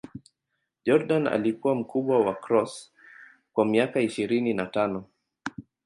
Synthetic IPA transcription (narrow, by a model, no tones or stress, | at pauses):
ʄɔɾɗana̰likuwam̩kuɓwawakɾɔs | kwamiakaiʃiɾininatanɔ